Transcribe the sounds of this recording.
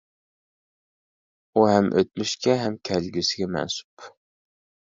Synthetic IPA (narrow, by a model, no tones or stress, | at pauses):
uɦɛmʔøt̪̚myʃkʲɛɦɛmkʲʰælɡʲysɪɡʲɛmɛ̰nsu̥p